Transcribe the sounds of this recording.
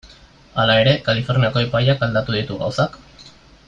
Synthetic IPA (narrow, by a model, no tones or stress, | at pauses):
alae̞ɾe̞kalifo̞ɾniako̞epajakald̪at̪uðit̪uɣa̰wsak